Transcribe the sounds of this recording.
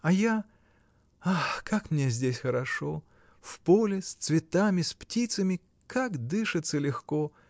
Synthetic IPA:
ɐja | axkakmnʲezʲdʲesʲxəɾɐʂo | fpolʲɪsʲt̪svʲɪt̪amʲɪsʲptʲit̪səmʲɪ | kakd̪ɨʂɨt̪səlʲɪxko

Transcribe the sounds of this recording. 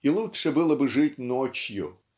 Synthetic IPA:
ilˠut̪ʲʃɐbɨlˠɐbɪʐɪtʲnɔt͡ʃʲjʊ

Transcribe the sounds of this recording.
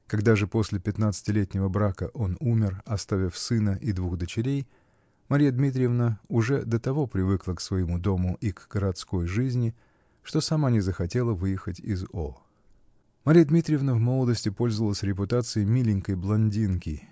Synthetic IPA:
kɐɡd̪aʐɨpo̞sʲlʲɪpʲɪt̪nat̪sɨ̥tʲɪlʲetʲnʲɪvəbɾakəʔo̞numʲɪrɐst̪avʲɪfsɨnəʔɪd̪vuɣd̪ət͡ɕɪɾʲej | mɐɾʲijəd̪mʲit̪̬ɾʲɪjəvnəʊʐɛd̪ət̪ɐvo̞pɾʲɪvɨklˠəksvəjɪmud̪o̞mʊʔiɡɡ̥əɾɐt̪sko̞jʐɨzʲnʲɪ | ʂt̪o̞sɐmanʲɪzəxɐtʲe̞lˠəvɨjɪxətʲɪzo | mɐɾʲijəd̪mʲit̪ɾʲɪjəvnəvmo̞lˠəd̪əsʲtʲɪpo̞lʲzəvəlˠəsʲɾʲɪpʊt̪at̪sɨɪmʲilʲɪnʲkəjblˠɐnʲdʲinkʲɪ

